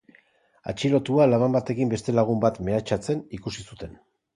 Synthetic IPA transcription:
a̰t͡ʃilo̞t̪ualaβambat̪e̞kimbe̞st̪e̞laɣ̞umbat̪me̞at͡ʃat͡se̞nikusisut̪e̞n

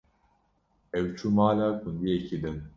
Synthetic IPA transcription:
ɛwt͡ʃʰumaːlaːkʰund̪ijɛcʰid̪ɨn

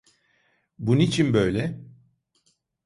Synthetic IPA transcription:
bunit͡ʃʰinbø̞jlʲɛ

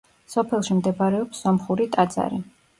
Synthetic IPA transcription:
sɔpʰɛlˠʃimd̪ɛbaɾɛɔpsːɔmχuɾit̪ʼad̪z̥a̰ɾi

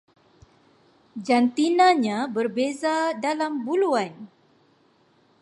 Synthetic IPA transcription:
d͡ʒant̪inãɲãbərbezadalambuluan

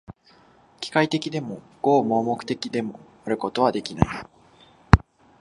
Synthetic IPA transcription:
kʲi̥kait̪e̞kʲid̪e̞mo̞ | ɡ̥o̞ːmo̞ːmo̞kɯ̟̥t̪e̞kʲid̪e̞mo̞ | aɾɯ̟ko̞t̪o̞β̞ad̪e̞kʲina̰i

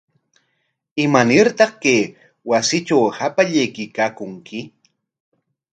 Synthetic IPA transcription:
ɪmanɪɾt̪ɑχkeː | wasɪt͡ʃawhapaʎejkɪjkaːkʊŋkʰɪ

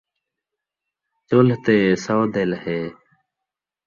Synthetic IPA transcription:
t͡ɕoːlt̪eːsaːd̪eːlheː

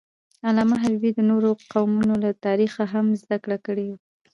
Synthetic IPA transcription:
alɑmaɦabbid̪ənoɾoqawmunolat̪ɑɾixaɦamzd̪akɽakəɽewu

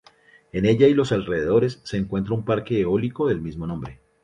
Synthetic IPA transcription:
e̞ne̞ʎailo̞salreðe̞ðo̞ɾesːe̞ːŋkwe̞nt̪ɾaumpaɾkeːo̞liko̞ðe̞lmizmo̞nõmbɾe̞

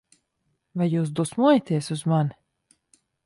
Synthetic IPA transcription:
vajːuːs̬d̪usmuɔjat̪iɛsuzman

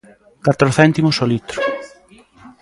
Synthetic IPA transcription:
kat̪ɾoθɛnt̪imosolit̪ɾʊ̥

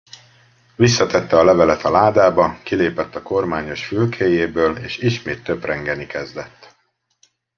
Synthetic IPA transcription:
visːɒt̪ɛt̪ːɛɒlɛvɛlɛt̪ɒlaːd̪aːbɒkileːpɛt̪ːɒko̞rmaːɲo̞ʃfylkʰeːjeːbøːleːʃiʃmeːt̪ːøbrɛŋɡɛnikɛzd̪ɛt̪ː

